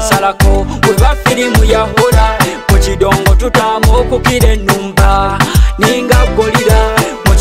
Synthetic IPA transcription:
salakɔwɛβafilimujaɦɔɾa | mut͡ʃidɔŋɡɔtutamɔkukiɾɛnumbaniŋɡaɡɔliɾa | mu

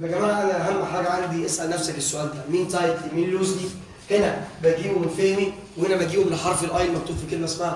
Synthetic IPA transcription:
bæɡæmæːʕʔænæʔæɦæmːħaːɡæʕand̪iʔesʔælnæfsækesːoʔæːld̪æmiːnt̪ˤɑjt̪miːnloːzni | henæbæjɡiːbomenfehmi | wehenæbejɡiːbomeneħɑɾˤfelʔɑjlmæk̚t̪uːfikelmæsmahæ

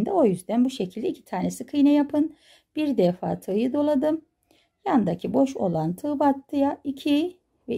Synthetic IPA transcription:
nd̪ɛo̞jyzd̪ænbuʃecʰilʲd̪ɛicʰi̥t̪ʰaːɾnesikʰɯjnɛjapʰɯn | b̥iɾd̪ɛfa̰ːt̪ʰɯːjɯd̪o̞lˠad̪ɯm | jand̪acʰibo̞ʃo̞̰lˠant̪ʰɯːbat̪ːɯjaicʰi | vɛ

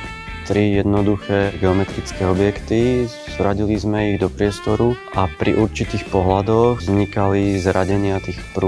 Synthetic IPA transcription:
t̪ɾijɛd̪nɔd̪uxɛːɡɛɔmɛt̪ɾit͡skɛɔbjɛkt̪i | zɾaɟilizmɛiɣd̪ɔpɾɪɛst̪ɔɾuʔapɾʔḭʔuɾt͡ʃit̪iːxpɔɦlad̪ɔɣzɲikalizɾaɟɛɲɪat̪iːxpɾu

